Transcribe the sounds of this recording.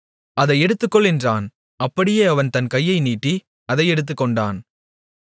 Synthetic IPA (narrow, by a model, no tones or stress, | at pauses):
ʔɐðɐɪɛɽɯt̪ːɯkːɔɭːɛndraːn | ɐpːɐɽɪjeːɐʋɐnt̪ɐnkɐjːɐɪniːʈːi | ɐðɐɪɛɽɯt̪̬ːɯkːɔɳɖaːn